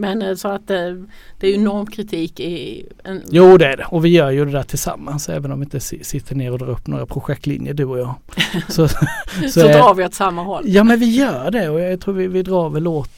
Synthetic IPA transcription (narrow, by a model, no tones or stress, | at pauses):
mɛnsɔat̪̚ɛ | d̪̥ɛːɾjʏɛnɔɾmkʰɾɪt̪ʰiːkɪ | ɛnjuːd̪ɛæɖɛɔvɪjœːɾjɵd̪ɛd̪æːʈʰɪlsa̰mːansɛ̰ːvənɔmvɪɪnt̪əsɪsɪt̪ʰːəɳeːɾɔd̪ɾɑ̰ːɾɵpːno̰ːɡɾapʰɾʊɧɛk̚t̪lɪ̰njəɖɵɔjɑː | sɔsɔd̪ɑːɾvɪɔt̪samːahɔlːjɑːmmɛnvɪjœːɖɛɔjjat̪ʰɾuːɾvɪvɪd̪ɾɑːɾvɛlːoːt̪